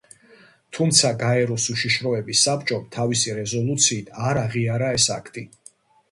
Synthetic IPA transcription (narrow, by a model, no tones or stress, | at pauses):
t̪ʰumt̪sʰaɡaɛɾɔsuʃiʃɾɔɛbisːap̚t͡ʃʼɔmt̪ʰavisiɾɛzɔlˠut̪sʰiːt̪ʰaɾaʁiaɾaɛsakʰt̪ʼi